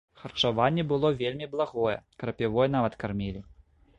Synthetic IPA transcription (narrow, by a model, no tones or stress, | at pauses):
xɐrt͡ʂavanʲːɛbɨlˠɔvʲelʲmʲiblˠaɣɔjɛ̰kɾɐpʲivɔjɛn̪avɐt̪karmʲilʲi